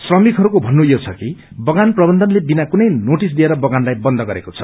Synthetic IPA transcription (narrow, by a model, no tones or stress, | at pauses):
srʌmikɦʌɾukobʱʌnːujot͡sʰʌki | bʌɡanprʌbʌnd̪ʱʌnlebinakunʌjnoʈis̬d̪ieɾʌbʌɡanlajbʌnd̪ʱʌɡʌɾḛkot͡sʰʌ